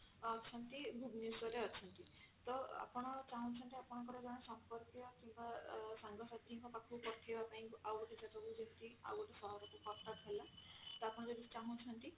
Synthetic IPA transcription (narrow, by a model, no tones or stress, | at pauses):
t͡ʃʰɔnt̪ibʱubniswɔɾeɔt͡ʃʰɔnt̪i | t̪ɔa̰pɔɽ̃ɔt͡ʃaɦũt͡ʃʰɔnt̪iapɔɽ̃ɔŋkɔɾɔd͡ʒɔɽ̃ɔsɔmpɔɾpjɔkimbasaŋɡʱɔsad̪ʱiŋkɔpakʰupɔtʰibapaĩkuʔawɡɔʈid͡ʒat̪akud͡ʒɔnt̪ia̰wɡɔʈesɔɦɔɾɔkukɔʈːapʰelat̪ɔapɔɽ̃ɔd͡ʒɔd̪it͡ʃaɦũt͡ʃʰɔnt̪i